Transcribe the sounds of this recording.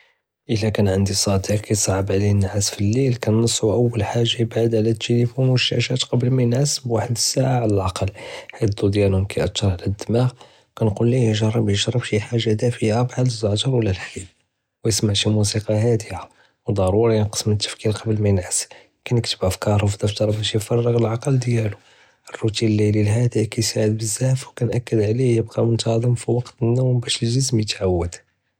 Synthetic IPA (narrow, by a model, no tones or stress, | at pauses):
ʔəlækænʕənd̪isˤɑd̪iqqkæjsˤʕəbʕlinːʕasfilːilkænːəsˤːuʔəwːəlħaʒːajbaʕd̪ʕlæt̪ːəlifunwəʃːæ̰ʃæt̪qɑbəlmænʕasbwaħəd̪əsːaʕaʕlælʔɑqɑlːħit̪̚d̪ud̪jænhʊmkæjʔɑt̪ːɑɾˤʕlæd̪ːəmæɣ | kænqulːijəʒɑrˤːɑbjəʒɾˤːəbʃiħaʒːad̪æfiabʕad̪əzːɑʕd͡ʒɑɾˤwəlːælħib̚ | wjəsmaʕʃimus̬iqɑɦæd̪əja | wd̪ˤɑɾˤuɾˤɑjənqə̥smət̪ːə̥fkilqɑbəlmæjənʕəs | kænəkt̪əbʔæfkɑɾˤufd̪əft̪ɑɾˤbæʃjəfɑrˤːəɣəlʕɑqəld̪jælu | ʔərːut̪inlːililɦæd̪ikæjsaʕəd̪̚bəzːæfwkænʔækːəd̪ʕlijəb̚qɑmʊnt̪ɑd̪ˤəmfiwɑqt̪ənːumbæʃəlʒəs̬mjət̪ʕawːəd̪̥